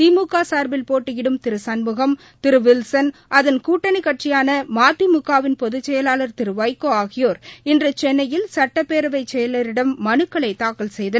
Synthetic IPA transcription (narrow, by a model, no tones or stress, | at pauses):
t̪iːmukːaːsaːɾbɪlpoːʈːɯɣɪɽɯmt̪ɪɾɯsɐnmɯɣɐm | t̪ɪɾɯʋɪlsɐnʔɐðɐnkuːʈːɐnɪkːɐʈrɪjaːnɐmaːt̪ːimʊkːaːʋɪnpɔðɯt͡ʃːɛjɐlaːlɐɾt̪ɪɾɯʋɐjkːoːaːɣɪjoːɾɪndrɯt͡ʃɛnːɐjɪlsɐʈːɐpːeːɾɐʋɐɪt͡ʃːɛjɐlɐɾɪɽɐmːɐnɯkːɐɭɐɪt̪ːaːkɐlsɛjðɐ